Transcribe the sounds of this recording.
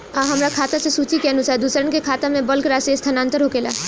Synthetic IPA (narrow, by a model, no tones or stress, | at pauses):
aɦɐmɾakʰaːt̪asesuːt͡ʃikenusaːɾd̪usəɾənkekʰaːt̪amẽbəlkɾaːsest̪ʰənãːnt̪əɾɦoːkeːla